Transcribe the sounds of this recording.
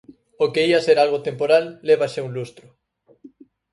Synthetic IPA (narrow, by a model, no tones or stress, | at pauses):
okeiaseɾalɣot̪empoɾalːeβaʃeuŋlust̪ɾʊ